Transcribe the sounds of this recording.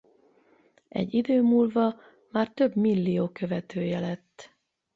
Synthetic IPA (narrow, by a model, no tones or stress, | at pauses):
ʔɛ̰ɟːid̪øːmuːlvɒ | maːrt̪ø̞bmilːijoːkø̞vɛt̪ʰøːjɛlɛt̪ː